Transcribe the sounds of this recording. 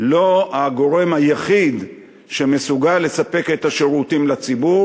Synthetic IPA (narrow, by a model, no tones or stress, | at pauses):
lo̞aɡo̞ʁe̞majaχid̪ | ʃeme̞suɡalːe̞sape̞ke̞t̪aʃeʁutimlat͡sibu